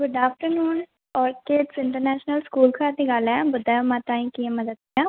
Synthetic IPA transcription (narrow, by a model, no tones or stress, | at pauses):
ɡʊɖaːfʈəɾnuːn | ɔːɾkeːʈsɪɳʈəɾnɛːʃnəlskuːlkʰaːt̪iːɡalɛːbʊd̪aːjõmãːt̪ãːĩːkiẽːməd̪əd̪̚iãː